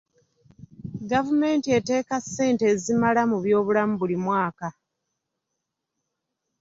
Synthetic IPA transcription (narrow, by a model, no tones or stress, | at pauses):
ɡavume̞ːntie̞te̞ːkasːe̞ːntezimalamuβjo̞ːβulamuβulimwaːka